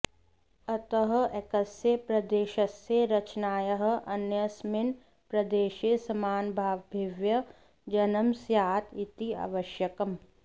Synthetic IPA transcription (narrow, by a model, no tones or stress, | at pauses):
ɐt̪əɦɐ̆ekɐsjepɾɐd̪eːʃɐsjeɾɐt͡ʃnaːjɐɦə̆ʔɐnjɐsmɪn | pɾɐd̪eːʃesɐmaːnbʱaːʋbʱɪʋjɐ | d͡ʒɐnɐmsjaːt̪it̪ia̰ʋɐʃjɐkɐm